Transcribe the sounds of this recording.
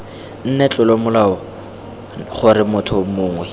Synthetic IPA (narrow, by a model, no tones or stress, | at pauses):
n̩nɛt͡ɬʼʊlomʊlaʊ | χʊɾɪmʊtʰɔmʊːŋwɛ